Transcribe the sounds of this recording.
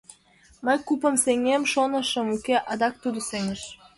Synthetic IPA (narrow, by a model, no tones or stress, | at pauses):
məjkupə̆mseŋemʃonɤ̆ʃə̆mukeʔɑd̪ɑk̚t̪ud̪əseŋəʃ